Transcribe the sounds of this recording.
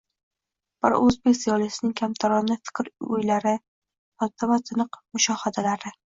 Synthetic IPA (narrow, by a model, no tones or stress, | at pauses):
b̥ɪɾɵzbekʲsɪjɒlˠɪsɪnɪŋkʲʰamt̪ʰaɾɒnɪfɪ̥kʲɾʊ̰jlaɾɪ | ɒt̪ʰːavazʰɪnɨqmʊʃɒhad̪alaɾɪ